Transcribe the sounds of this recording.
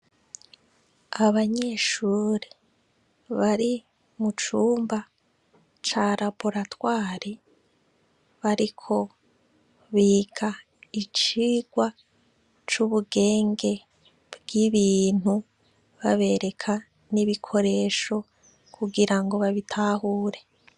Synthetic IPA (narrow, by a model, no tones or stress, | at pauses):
aβaɲe̞ʃuːɾe | βaɾi | mut͡ʃuːmba | t͡ʃaɾaboɾatwaːɾi | βaɾikʰo̞ | βiːɡa | it͡ʃiːɡ̥wa | t͡ʃuβuɡe̞ːŋɡe̞ | bɡiβiːn̥hu | βaβe̞ɾe̞kʰa | niβikʰo̞ɾe̞ʃo̞ | kʰuɡiɾaŋɡo̞βaβitʰahuːɾe̞